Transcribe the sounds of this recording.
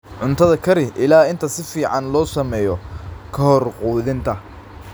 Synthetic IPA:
ʕʊnt̪ʰɐðɐkʰɐɾɪʔɪlaːɪnt̪ʰɐsɪfiːʕɑnlɔːsɐmɛːjɔkʰɐhɔrquːðɪnt̪ʰɐ

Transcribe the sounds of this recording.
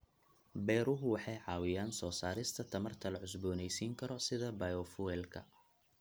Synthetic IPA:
bɛːɾʊɦʊwɑħɑjʕɑːwɪjaːnsɔːsaːɾɪst̪ʰɐt̪ʰɐmɐrt̪ʰɐlɐʕʊsbɔːnɛjsiːŋkʰɐɾɔsɪðɐbɐjɔfuɛlkʰɐ̰

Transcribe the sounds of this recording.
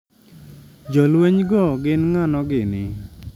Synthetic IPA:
d͡ʒɔlwɛɲɡɔɡɪnŋanɔɡɪnɪ

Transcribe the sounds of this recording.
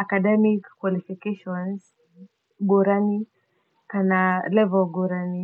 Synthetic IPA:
akadɛmikːwalifikɛʃɔns | ɡɔɾani | kanalɛvɛlɡɔɾani

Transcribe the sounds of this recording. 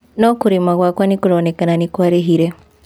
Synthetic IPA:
nokuɾimaɣwakwanikuɾonekananikwaɾeɦiɾe

